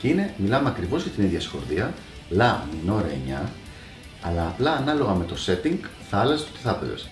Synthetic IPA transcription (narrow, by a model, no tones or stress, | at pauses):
cine̞milɐmeɐkɾivo̞zʝɐt̪iniðʝɐsi̥xo̞ɾðiɐ | lɐmino̞ɾɐḛɲɐ | ɐlɐːplɐːnɐlo̞ɣɐme̞t̪o̞se̞t̪iŋɡθɐɐlɐse̥ot̪iθɐpe̞̰zḛs